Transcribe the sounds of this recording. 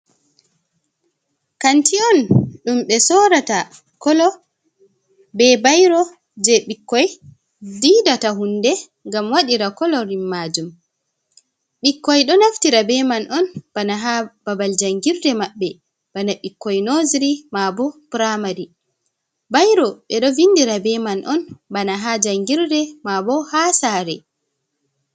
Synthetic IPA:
kantiɔnɗumɓɛsɔɾata | kɔlɔ | bɛbajɾɔ | d͡ʒɛɓikːɔj | didataɦundɛ | ŋɡamwaɗiɾakɔlɔɾimːaːd͡ʒum | ɓikːɔjɗɔnaftiɾabɛmanʔɔnbanaɦab̥abald͡ʒaŋɡiɾdɛmaɓːɛ | b̥anaɓikːɔjnoziɾimabɔpuɾamaɾi | bajɾɔɓɛɗɔvindiɾabɛmanʔɔnbanaɦad͡ʒaŋɡiɾdɛmabɔhasaɾɛ̰

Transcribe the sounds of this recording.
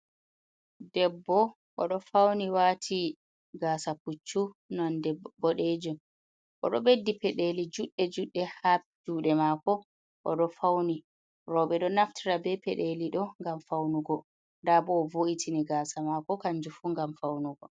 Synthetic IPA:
dɛbːɔ | ʔɔ̰ɗɔfawniwaːtʰi | ɡaːsaput͡ʃːunɔndɛbɔɗed͡ʒum | ʔɔ̰ɗɔɓedːipɛɗelid͡ʒuɗːɛd͡ʒuɗːɛhapd͡ʒuːɗɛmakɔ | ʔɔ̰ɗɔfawni | ɾɔːɓɛɗɔnaftʰiɾabɛpɛ̰ɗeliɗɔŋɡamfawnuɡɔ | ndabɔːvoʔitʰiniɡaːsamakɔkaɲd͡ʒufuŋɡamfawnuɡɔ

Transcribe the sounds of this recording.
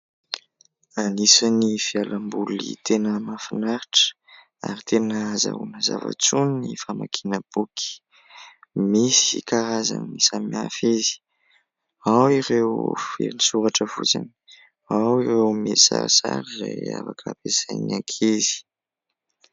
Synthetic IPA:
anisənifialambulit̪ʰenəmafinaɾiʈ͡ʂə̥ | aɾit̪ʰenəza̰unəza̰va̰t͡sunnifamakʰinəb̥uki̥ | misikaɾazanisamiafezi̥ | awiɾewfḛnisuɾaʈ͡ʂəfut͡sani | awirewmesa̰ɾsaɾiza̰jafakʰəpesajnakʰezi̥

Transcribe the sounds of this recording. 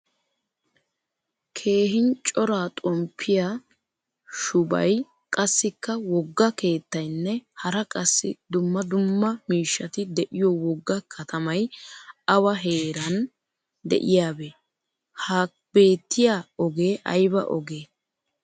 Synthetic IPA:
kʰe̞ːɦɪnt͡ʃʼɔɾaːt̪ʼɔmpʰːɪja | ʃʊbɐ̰j | kʼɐsːɪkːɐwɔɡːɐke̞ːt̪ːɐjnːɛhɐɾɐkʼɐsːɪ̰d̪ʊmːɐd̪ʊmːɐmiːʃːɐt̪ɪd̪ɛʔɪjɔwɔɡːɐkʰɐt̪ʰɐmɐjɐwɐɦeːɾɐn | d̪ɛ̰ʔɪjaːbeː | haː | b̥e̞ːt̪ːɪjaːɔɡe̞ːʔɐ̰jbɐ̰ʔɔ̰ɡe̞ː

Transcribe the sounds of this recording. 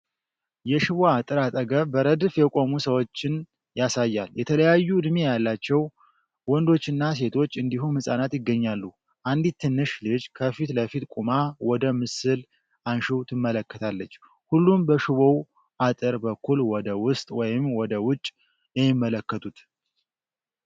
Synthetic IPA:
jɛʃɨβoat̪ʼɨɾat̪ʼəɡəbəɾəd̪fjɛkʼo̞musəwo̞t͡ʃːɪn | jasajːaljɛt̪ʰələjajːud̪mejalːat͡ʃːɛw | wɔnd̪o̞t͡ʃːɨnːas̬e̞t̪ʰo̞t͡ʃːɨnd̪ihunmɨsʼanat̪jɪɡːəɲːalːu | ʔand̪it̪ʰːɨnːɨʃlɨd͡ʒkʰəfit̪ləfit̪kʼumawɔd̪əmɨsɨl | ʔanʃiwt̪ʰɨmːələkːət̪ʰalːət͡ʃː | hulːumbəʃɪβow | ʔat̪ʼɨɾbəkːulwɔd̪əwʊst̪ʼwɔjɪmwɔd̪əwʊt͡ʃʼː | jɛmɪmːələkːət̪ʰut̪

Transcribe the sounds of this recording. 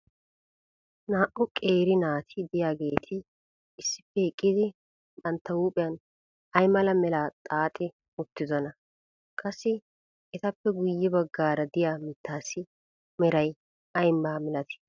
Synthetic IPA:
naːʔʊkʼe̞ːɾɪnaːt̪ʰɪd̪ɪjaːɡe̞ːt̪ʰɪː | sːɪpːɛɪkʼːɪd̪ɪ | kʼɐnt̪ːɐwuːpʼɪjɐn | ɐjmɐlɐmɛlaːt̪ʼaːt̪ʼɪ | ʊt̪ːɪzɔnɐ | kʼɐsːɪ | ɛt̪ɐpːɛɡʊjːɛbɐɡːaːɾɐd̪ɪjamɪt̪ːaːsɪ | mɛɾɐj | ɐjmbaːmɛlɐt̪ɪ̥

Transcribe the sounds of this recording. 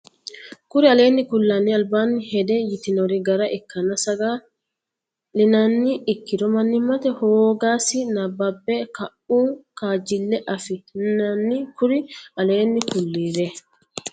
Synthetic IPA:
kʊɾɪɐle̞ːnːɪkʊlːanːiɐlbaːnːɪhɛd̪ɛjɪt̪ɪnɔɾɪɡɐɾɐʔɛkːɐnɐsɐɡaː | lɪnɐnːɪɪkːɪd̪ɔmɐnːɪmɐt̪ɛhoːɡaːsɪnɐbɐbːɛkɐʔuːkaːd͡ʒɪlːɛʔɐfɪnɐnːɪkʊɾɪɐle̞ːnːɪkʊlːiːɾɛ

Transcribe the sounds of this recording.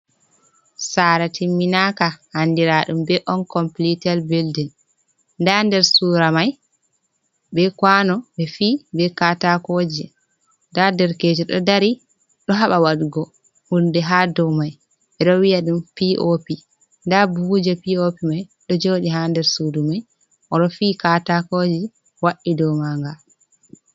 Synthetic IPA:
saɾatʰimːinakahandiɾaɗumbɛʔɔnkɔmplitɛlbeldin | ndandɛɾsuɾamaj | bɛkwanɔbɛfibɛkatakod͡ʒɛ | ndadɛɾked͡ʒɛɗɔ̰daɾi | ɗɔɦaɓawaɗɡɔ | hundɛɦaːdɔmaj | ɓɛɗɔwijaɗumpiʔopi | ndabud͡ʒapiopimajɗɔd͡ʒoːɗiɦandɛɾsudumaj | ʔɔɗɔfiːkatakod͡ʒi | waʔːidɔmaŋɡa

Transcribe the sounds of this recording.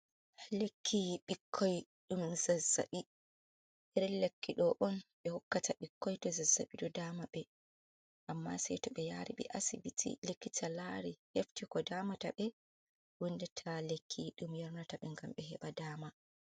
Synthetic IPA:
lekʰːiɓikʰːɔj | ɗumzazːa̰ɓi | ʔɛɾɛlekːiɗɔʔɔnɓɛhɔkːataɓikːɔjtɔzazːa̰ɓiɗɔdaːmaɓɛ | ʔamːa̰sɛjtɔɓɛjaɾḭɓɛ̰ʔasibitʰḭlekːitʰalaɾiheftikɔdaːmataɓɛ | wundɛtʰalekʰːiɗumjɔɾnataɓɛŋɡamɓɛɦɛɓadaːma

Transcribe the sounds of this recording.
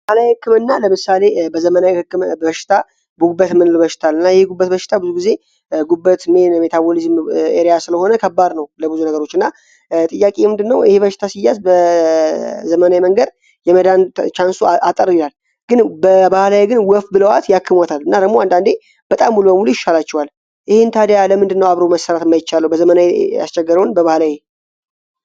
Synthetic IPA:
bahlajhɨkːɨmɨnːaləmɨsale̞bəzəmənawihɨkːɨmbəʃːɪ̥t̪ʰa | bəɡubət̪mɨnlbəʃɪ̥t̪ʰalɨnːajɛheɡubːət̪bəʃɪ̥t̪ʰabɨzuɡize̞ | ɡubːət̪menme̞t̪ʰabolizmeɾijasɨləho̞nəkʰəbːad̪nəwləbɨzunəɡəɾo̞t͡ʃːɨnːa | t̪ʼɨjːakʼejmɨnd̪ɨnːəwɪheβəʃɪ̥t̪ʰasijːasbə | zəmənawiməŋɡəd̪ | jɛməd̪ant͡ʃansuat̪ʼəɾilalː | ɡ̥ɨnbəbahlaweɡɨnwɔfbɨləwat̪jakːɨmwat̪ʰalːɨnːad̪əɡmoand̪and̪e̞ | b̥ət̪ʼamːulubəmulujɪʃːalat͡ʃːɛwal | ʔɪhent̪ʰad̪əjaləmɨnd̪ɨnːəwaβɾoməsːəɾat̪ɨmːajɪt͡ʃːaləwbəzəmənaweja̰st͡ʃʼːɛɡːəɾəwnbəβahlawe

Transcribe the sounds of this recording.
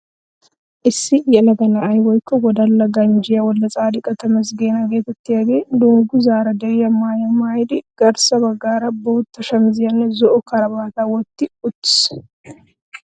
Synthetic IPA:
ʔɪsːɪjɛlɐɡɐnɐːjwɔjkːɔɡɔd̪ɐlːɐɡɐnd͡ʒɪjɐwɔlːɐt͡sʼaːd̪ɪkʼɐt̪ɐmɐs̬ɡeːnɐɡeːt̪ɐt̪ːɪjɐɡeːd̪oŋɡʊzaːɾɐd̪ɐjɐmaːjɐmaːjd̪ɪɡ̥ɐɾsɐbɐɡːaːɾɐbɔʊt̪ːɐʃɐmzɪjɐnːɛzɔʔɔkɐɾɐbaːt̪awɔt̪ːɪʊt̪ːɪ̥s

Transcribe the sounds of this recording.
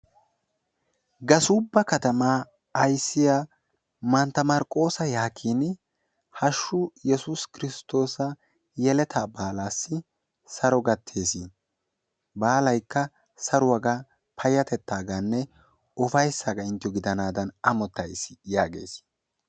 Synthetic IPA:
ɡɐsʊːbːɐkɐt̪ɐmaː | ɐjsːɪja | mɐnt̪ːɐmɐɾkʼo̞ːsɐjaːkʰiːn | hɐʃːʊjɛsʊskɪɾɪst̪ːo̞ːsɐ | jɛlɛt̪ʰaːbaːlaːsːɪ | sɐɾɔɡɐt̪ʰːe̞ːsɪ | baːlɐjkːɐ | sɐɾʊwɐɡɐ | pʰɐjɐt̪ɛt̪ʰːaːɡanːɛ | ɔfɐjsːaːɡɐɪnt̪ɪjɔɡɪd̪ɐnaːd̪ɐnɐmɔt̪ːɐjsɪ̥jaːɡe̞̰ːs

